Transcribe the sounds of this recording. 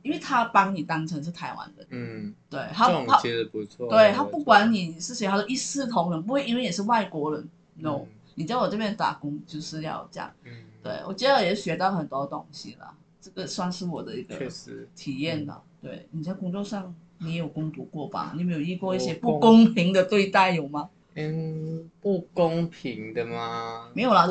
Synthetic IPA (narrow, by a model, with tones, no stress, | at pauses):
i˥nwe˥˩ɪt̪ʰa˥pɑ˧˥ŋni˨˩t̪ɑ˥ŋʈ͡ʂʰɤ˧˥ŋʂɻ̩˥˩t̪ʰa˧˥ɪwa̰˦nd̪ə˧t̪we˥˩ɪha˥a˥˧u˧ɔ˥˧t̪we˥˩ɪt̪ʰa˥pu˥˩kwa˧˥nni˨˩ʂɻ̩˥˩˧xa˧˩d̪ə˨i˥˧sɹ̩˥˩t̪ʰʊ˧˥ŋɻə˧np̬u˧˥xwe˥˩i˥nwe˥˩ɪjɛ˨˩ʂɻ̩˥˧wa˥˩ɪkwɔ˧˥ɻə˧˦n | no˥˩ʊ | ni˨˩t͡ɕja˥˩ɪwɔ˨˩ʈ͡ʂɤ˥˩pjɛ˥˩nt̪a̰˨˩kʊ˥ŋt͡ɕjo˥˧ʊʂɻ̩˥˧jɑ̰˥˧ʊt͡ɕjɑ̰˥˩ŋt̪wḛ˥˩ɪwɔ̰˨˩t͡ɕjɛ˧˥d̪ə˧jɛ˨˥ɕɥɛ˧˥t̪ɑ˥˩ʊxə˨˩nt̪wɔ˥˧t̪ʊ˥ŋɕḭ˧˦lə̰˨ | ʈ͡ʂɤ˥˩ɡ̥ə˨swa˥˧nʂɻ̩˥˩wɔ˨˩d̪ə˦i˧˥ɡ̥ə̰˧˦t̪ʰi˨˩jɛ˥˩nlə̰˩t̪we˥˩ɪni˨˩t͡sa˥˩ɪkʊ˥ŋt͡swɔ˥˧ʂɑ˥˩ŋ | me˧˥jo˨˩ʊkʊ˥ŋt̪wu˧˥kwɔ˥˩pa̰˨˦ni˨˩me˧˥ɪjo˨˩i˥˧kwɔ˥˧i˥˩ɕjɛ˥pu˥˩kʊ˥ŋpʰi˧˥ŋd̪ə˨t̪we˥˧ɪt̪a˥˩ɪjo˨˩ʊma˨˩ | pu˥˧kʊ˦˥ŋpʰi˨˧˥ŋd̪ə˧ma˩me˧˥ɪjo˨˩la˧˥